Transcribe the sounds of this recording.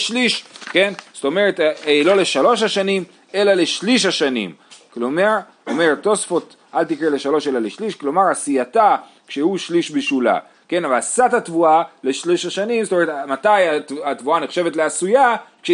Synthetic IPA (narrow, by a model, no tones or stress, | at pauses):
ʃliʃke̞nst̪o̞me̞ʁet̪elo̞le̞ʃalo̞ʃhaʃanim | e̞lale̞ʃliʃ̬aʃanḭmkloma | ome̞ʁet̪ːo̞sfo̞t̪ | ʔalt̪ikʁele̞ʃalo̞ʃelaleʃliʃklo̞maʁasiata | kʃe̞huʃliʃbiʃula̰ | ke̞navalsatatvuale̞ʃliʃaʃanimztomeetmat̪ajatat̪vuaneχʃe̞vet̬leasujakʃe